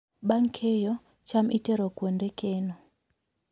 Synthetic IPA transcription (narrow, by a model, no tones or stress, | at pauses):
ɓaŋkʰejɔ | t͡ʃamʔiteɾokwondɛkenɔ